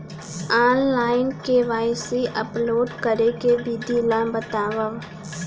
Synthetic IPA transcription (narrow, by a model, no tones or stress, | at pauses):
aːnlaːɪnkeʋaːɪsiʔəploːɖkəɾekebid̪ilãbət̪aːʋəʋ